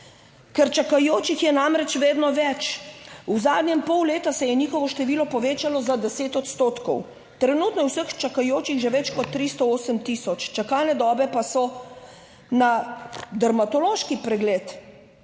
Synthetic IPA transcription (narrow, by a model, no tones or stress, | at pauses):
kɛɾt͡ʃakajoːt͡ʃixjɛnamɾɛt͡ʃʋeːd̪nɔʋɛt͡ʃuzaːd̪nʲjɛmpɔwleːt̪asɛjɛniːxɔʋɔʃt̪ɛʋiːlɔpɔʋeːt͡ʃalɔzad̪ɛseːt̪ɔt̪st̪oːt̪kɔw | t̪ɾɛnuːt̪nɔjɛwsəxt͡ʃakajoːt͡ʃixʒɛʋɛt͡ʃkɔt̪ːɾist̪ɔoːsəmt̪isɔt͡ʃt͡ʃakaːlnɛd̪ɔːbɛpasɔ | nad̪aɾmat̪ɔloːʃkipɾɛɡleːt̪